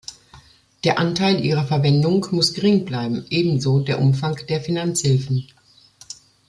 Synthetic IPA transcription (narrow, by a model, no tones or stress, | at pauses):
d̥eːɐʔantaɪlʔiːʁ̞ɐfɛɐvɛndʊŋkmʊsɡ̥əʁɪŋblaɪbm̩ʔeːbm̩zoːdeːɐʔʊmfaŋkd̥eːɐfinant͡shɪlfn̩